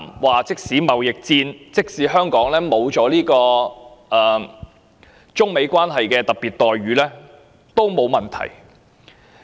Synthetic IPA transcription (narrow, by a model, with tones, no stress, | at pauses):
mwaː˨t͡sɪ˥k̚siː˨˥mɐ˨wjɪ˨k̚t͡siː˧nt͡sɪ˥k̚siː˨˥ɦœː˥ŋkɔː˨˥ŋlɛː˥mo˨˧wt͡sɔː˨˥liː˥kɔː˧ʔɛː˨ | t͡sʊ˥ŋme˨˧jkʷwaː˥nɦɐ˨jkɛː˧t̪ɐ˨˩k̚piː˨˩t̚t̪ɔː˨jɥyː˨˥lɛː˥ | t̪o˥wmo˨˧wmɐ˨nt̪ʰɐ̰˨˩j